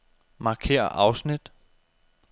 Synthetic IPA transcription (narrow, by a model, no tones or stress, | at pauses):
mɑ̈kʰe̝̰ːɐ̰ʔɑ̈ʊsnid̥